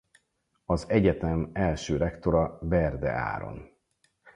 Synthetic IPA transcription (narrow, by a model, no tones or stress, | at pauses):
ɒzɛɟɛt̪ɛmɛlʃøːɾɛkt̪o̞ɾɒbɛrd̪ɛ̰a̰ːɾo̞̰n